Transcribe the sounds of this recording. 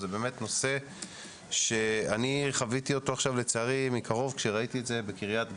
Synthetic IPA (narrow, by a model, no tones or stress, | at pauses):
zebeːmetno̞se̞ | ʃe̞aniχavitio̞to̞aχʃavle̞t͡seaʁimːikʰaʁo̞vkʃeʁaitietze̞bekiʁjatɡ